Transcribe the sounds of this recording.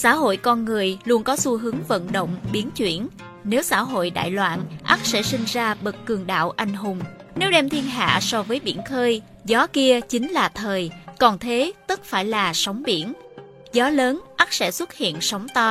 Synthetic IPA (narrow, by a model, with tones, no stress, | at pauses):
sa̰ː˧˥ɦo̰˧˨jkɔ˧nŋɨ˨˩əjlu˧ənkɔ˨˦su˧ɦɨ˨˦əŋvə̰˧˨nɗo̰˧˨wŋ͡mɓi˨˦ənt͡ɕwi˧˩ən | ne˨˦wsa̰ː˧˥ɦo̰˧˨jɗa̰ː˧˨jlwa̰ː˧˨nʔa˦˥k̚sɛ̰˧˥sï˧ŋ̟zaː˧ɓə˨˩kkɨ˨˩əŋɗa̰ː˧˨wʔa˧˩jŋ̟ɦʊ˨˩ŋ͡mne˨˦wɗɛ˧mt̪ʰi˧ənɦa̰ː˧˨sɔ˧vəː˨˦jɓḭ˧˩ənxəː˧j | zɔ˨˦ki˧ət͡ɕï˨˦ŋ̟laː˨˩t̪ʰəː˨˩jkɔ˨˩nt̪ʰe˨˦t̪ɨ˦˥t̚faː˧˩jlaː˨˩sa˨˦wŋ͡mɓḭ˧˩ən | zɔ˨˦ləː˨˦nʔa˦˥k̚sɛ̰˧˥swə˦˥t̚hḭ˧˨ənsa˨˦wŋ͡mt̪ɔ˧